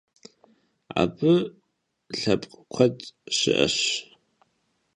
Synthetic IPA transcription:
a̰bɨ | ɬɐpʼqʼkʷʰɐtʼʃɪ̰ʔɐ̰ɕ

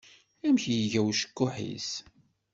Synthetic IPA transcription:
æmçjəʝæwʃə̥kːʊħḭs

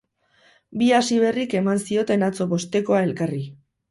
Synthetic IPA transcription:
biasiβe̞rike̞mansio̞t̪e̞nat͡so̞βo̞st̪e̞ko̞ae̞lkari

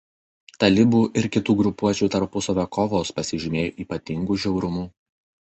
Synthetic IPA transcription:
t̪ɐlʲɪbuːʔɪɾkʲɪt̪uːɡɾʊpuɔt͡ʃʲuːt̪ɐɾpʊsoʋʲɛkɔʋoːspɐsʲɪʒʲɪmʲeːjoːʔiːpɐt̪ʲɪŋɡuːʒʲɛʊɾʊmuː

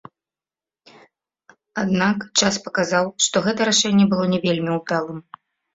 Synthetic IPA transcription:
ad̪nakt͡ʂaspɐkazawʂt̪ɔɣɛt̪ɐɾaʂɛnʲːɛbɨlˠɔnʲɛvʲelʲmʲiud̪alˠɨm

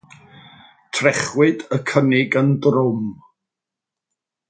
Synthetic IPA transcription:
tʰrɛχwɨdəkʰənɪɡəndrʊm

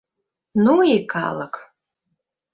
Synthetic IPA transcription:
nuika̰lˠək

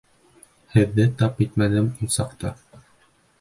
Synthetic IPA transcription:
hɘ̆ðːɘt̪ɑpit̪mænɘmunsɑqt̪ɑ

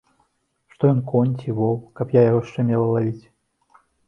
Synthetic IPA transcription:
ʂt̪ɔjɔnkɔnʲt͡sʲivɔwkɐpjajaɣɔʂt͡ʂɛmʲɛlˠɐlˠavʲit͡sʲ

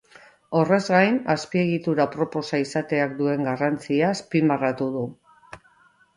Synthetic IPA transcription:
o̞re̞zɣajnaspie̞ɣ̞it̪uɾapɾo̞po̞saisat̪e̞akd̪ue̞ŋɡarant͡siaspimarat̪uð̞u

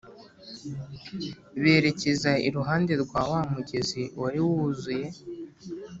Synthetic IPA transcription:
βeːɾe̞cezaḭɾuɦaːnde̞ɾɡwaːwamuɟeziwʔaɾiwuzuje̞

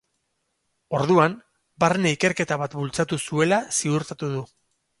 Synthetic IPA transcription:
o̞ɾðuam | bareneike̞ɾke̞t̪aβat̪bult͡sat̪usue̞lasiuɾt̪at̪uðu

